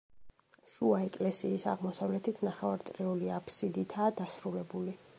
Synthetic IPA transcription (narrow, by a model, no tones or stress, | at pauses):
ʃuaɛkʼlɛsiːsa̰ʁmɔsavlɛt̪ʰit̪ʰnaχɛvaɾt̪sʼɾɛuliapʰsid̪it̪ʰaːd̪asɾulɛbuli